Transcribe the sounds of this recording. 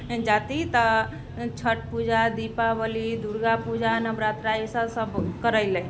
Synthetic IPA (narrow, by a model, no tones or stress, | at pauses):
d͡ʒat̪it̪ə | t͡ʃʰəʈpud͡ʒad̪ipabəlid̪uɾɡapud͡ʒanəbɾat̪ɾaisəsəbkəɾəɪlẽ